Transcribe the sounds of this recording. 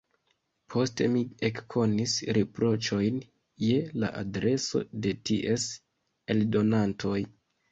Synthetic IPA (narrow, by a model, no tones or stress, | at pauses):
pʰo̞ste̞̰miekkʰo̞nisɾepɾo̞t͡ʃo̞jn | je̞la̰ʔa̰dɾe̞so̞̰de̞tiʔe̞s | e̞ldo̞nantʰo̞j